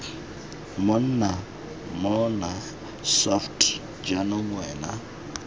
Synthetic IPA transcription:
mon̩na | mɔna | sɔftʰʼ | d͡ʒanɔmwɛːna̰

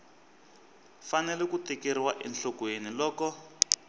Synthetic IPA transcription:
fanɛlɛkutekeɾiwaʔɛnɬɔkwenilɔːkɔ

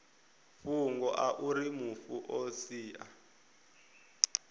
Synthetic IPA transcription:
fuŋɡɔʔaʔuɾimufuʔosiːʔa̰

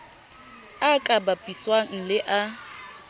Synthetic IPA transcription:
akʼabapʼiswaŋ̩lɪʔa

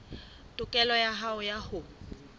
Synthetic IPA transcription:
tʼʊkʼɛlɔjaɦaʊjahʊ

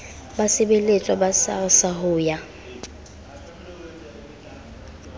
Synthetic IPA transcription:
basɪbelet͡sʼwɔbasa̰rɪsahʊːja

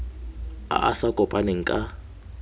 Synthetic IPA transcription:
a̰ʔasakʼɔpʼaneŋ̩kʼa

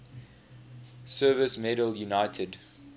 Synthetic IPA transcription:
sɜːvəsmɛɾəljunaɪtʰəd

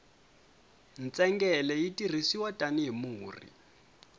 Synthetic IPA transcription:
n̩t͡sʼɛŋɡɛlɛitʼir̤isiwatʼaniɦimuːrḭ

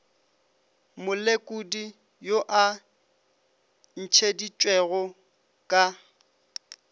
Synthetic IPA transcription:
mʊlekʼudi | joʔa | n̩t͡ʃʰedit͡ʃʼwɛɣɔ | kʼa

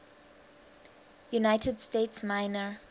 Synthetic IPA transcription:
junaɪtʰədstetsmaɪnə

